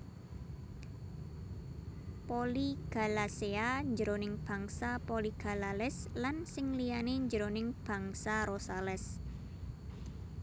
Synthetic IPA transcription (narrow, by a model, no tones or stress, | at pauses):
poliɡ̥a̤laseaɲd͡ʒəɾonɪŋb̥a̤ŋsapoliɡ̥a̤lalɛslansɪŋlijaneɲd͡ʒəɾonɪŋb̥ä̤ŋsaɾosalɛs